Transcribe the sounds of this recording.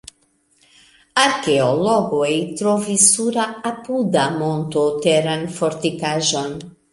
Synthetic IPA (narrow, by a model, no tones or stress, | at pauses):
aɾkeolɔɡojt̪ɾɔvisuɾaːpud̪amont̪ot̪eɾanfoɾt̪ikaʒon